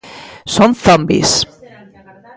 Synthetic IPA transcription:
sɔ̃nθʌ̃mbḭs

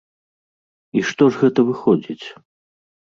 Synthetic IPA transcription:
iʂt̪ɔʐɣɛt̪ɐvɨxɔd͡zʲit͡sʲ

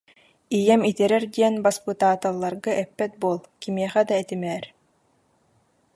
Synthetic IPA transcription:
ijɛmit̪ɛɾɛɾd̪iɛnbaspɯt̪aːt̪alˠːaɾɡɯʔɛpːɛt̪̚buɔlˠkimiɛχɛd̪aɛt̪imɛːɾ

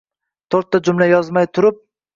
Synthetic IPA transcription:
t̪ʰoɾt̪ːad͡ʒʊmlajɒzmajt̪ʰʊɾɪp̚

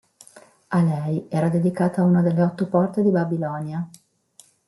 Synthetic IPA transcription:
alɛjɛːɾad̪ed̪ikaːt̪aunad̪elːeɔt̪ːopɔrt̪ed̪ibabilɔnja

